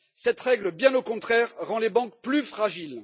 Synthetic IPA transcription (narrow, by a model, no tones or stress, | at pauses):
sɛt̪ʁɛɡləbjɛ̃nokɔ̃t̪χɛʁːɑ̃lebɑ̃kplyfχaʒil